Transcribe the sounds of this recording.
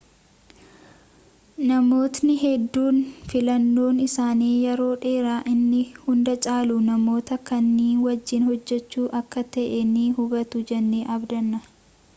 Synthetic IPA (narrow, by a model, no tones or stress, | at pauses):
nɐmo̞ːt̪nɪɦɛd̪ːuːnfɪlɐnːo̞ːnɪsaːniːjɛɾo̞ːᶑe̞ːɾaːʔɪnːɪhʊnd̪ɐt͡ʃʼaːlunɐmo̞ːt̪ɐkɐnːiːnwɐd͡ʒːɪnhɔd͡ʒːɛt͡ʃːuːʔɐkːɐt̪ɐʔɛniɦʊɡɐt̪ʊd͡ʒɛnːeːʔɐbd̪ɐnːɐ